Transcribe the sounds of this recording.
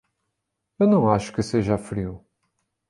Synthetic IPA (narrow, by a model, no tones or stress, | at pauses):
ewnɐ̃w̃aʃu̥kɨseʒɐfɾiu